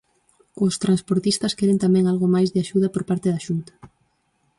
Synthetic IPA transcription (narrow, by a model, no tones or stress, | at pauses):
ʊst̪ɾanspoɾt̪ist̪ɐskɛɾent̪amɛ̃ŋalɣomajzðɪaʃuð̞ɐpoɾpaɾt̪ɪðaʃunt̪ɐ̥